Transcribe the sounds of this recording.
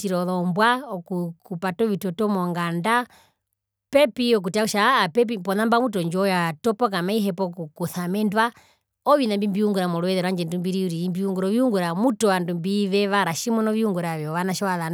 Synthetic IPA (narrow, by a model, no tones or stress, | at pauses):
tiɾɔðɔmbwaɔkukupatɔʋitɔtɔmɔŋɡanda | pɛpiɔk̬utakuʃaːpɛp̬ipɔnambamutɔɲd͡ʒɔjatɔpɔk̬amaiɦɛpɔkukuθamɛndwa | ɔʋinambimbiuŋɡuɾamɔlɔɛðɛɾwaɲd͡ʒɛndumbiɾiuɾimbiuŋɡuɾɔʋiuŋɡuɾamutɔwandumbiʋɛʋaɾaʃimɔnɔʋiuŋɡuɾaʋjɔʋanaʃɔaðan